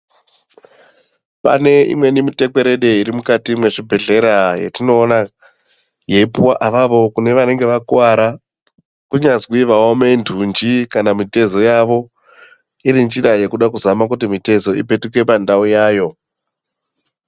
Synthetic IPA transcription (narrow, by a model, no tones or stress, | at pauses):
pa̰ne̞ḭmwe̞nimite̞kwe̞ɾe̞ɗe̞iɾimukatimwe̞ʐibʱe̞ɮe̞ɾajḛtino̞ːna | je̞ipuwaʔaʋaʋo̞kune̞ʋane̞ŋɡe̞ʋakuwaɾa | kuɲazwiʋawome̞ndʱund͡ʒikanamite̞zo̞jaʋo̞ | iɾind͡ʒiraje̞kuɗakuzamak̬ut̬imite̞zo̞ḭpe̞tuke̞pandaujaːjo̞